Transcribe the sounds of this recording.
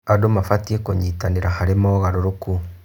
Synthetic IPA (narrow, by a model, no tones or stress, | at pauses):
adomafatiekoɲiːtaneɾahaɾemɔɣaɾoɾoku